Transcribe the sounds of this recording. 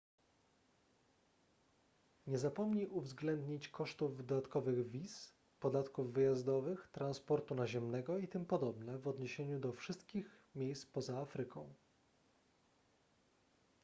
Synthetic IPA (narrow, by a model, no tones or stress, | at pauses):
ɲɛzapɔmɲiʔuvzɡlɛnd̪ɲit͡ɕkɔʂt̪uvd̪ɔd̪at̪kɔvɘɣvʲis | pɔd̪at̪kuvːɘjazd̪ɔvɘxt̪ɾanspɔɾt̪unaʑɛmnɛɡɔit̪ɘmpɔd̪ɔbnɛvɔd̪ɲeɕeɲud̪ɔfʂɘst̪kʲixmʲjejspɔzaafɾɘkɔ̃w̃